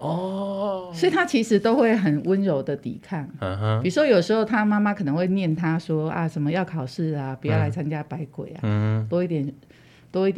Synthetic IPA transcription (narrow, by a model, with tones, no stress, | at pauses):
ɔ˥˩sɔ˧˥i˨t̪ʰa˥t͡ɕʰi˧˥ʂɻ̩˧˥t̪o˥ʊxwe˥˩ɪxə˨˩nwə˦˥nɻo˧˥ʊd̪ə˨t̪ḭ˨˩kʰa˥˩n˧i˨˩u˥ʂwɔ˥jo˨˩ʂɻ̩˧xo˥˩ʊt̪ʰa˦˥ma˥ma˦kʰɤ˨˩nə˧˦ŋwe˥˧ɪnjɛ˥˩nt̪ʰa˦swɔ˦˥a̰˨ʂə˨˩nmə˦jɑ˥˩ʊkʰɑ˨˩ʊʂɻ̩˥˩a˨˩pu˨˩jɑ˥˩ʊla˧˥ɪt͡sʰa˥nt͡ɕja˦˥pa˧˦ɪkwḛ˨˩˦ɪa̰t̪wɔ˥i˥˩t̪jɛ˨˩n | t̪wɔ˥i˥˩t̪